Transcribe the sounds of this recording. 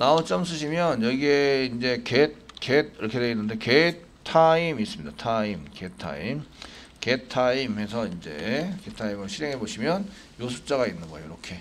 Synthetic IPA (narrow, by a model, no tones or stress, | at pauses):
naot͡ɕ͈ʌms̬͈ɯɕ̬ʰimjʌnjʌɡieind͡ʑe̞ket̚ked̚iɾʌkʰe̞deinːɯnde̞ke | tʰaimis͈ɯmɲidatʰaimketʰa̰im | ketʰaimɦe̞sʰʌind͡ʑe̞ketʰaimɯɭɕʰiɾe̞ŋɦe̞boɕʰimjʌn | josʰu̥p̚t͡ɕ͈aɡainːɯnɡʌejoiɾʌkʰe̞